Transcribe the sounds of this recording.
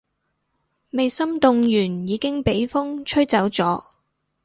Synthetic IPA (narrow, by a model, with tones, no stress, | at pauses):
me˨jsɐ˥mt̪ʊ˨˧ŋjyː˨˩njiː˨˧kɪ˥ŋpe˨˥jfʊ˥ŋt͡ʃʰɵ˥ɥt͡sɐ˨˥wt͡sɔː˨˥